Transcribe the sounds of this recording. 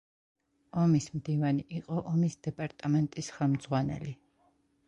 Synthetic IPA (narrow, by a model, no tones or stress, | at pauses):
ɔmismd̪ivaniʔiqʼɔʔɔmisd̪̥ɛpʼaɾt̪ʼamɛnt̪ʼisχɛlˠmd̪zʁwanɛ̰li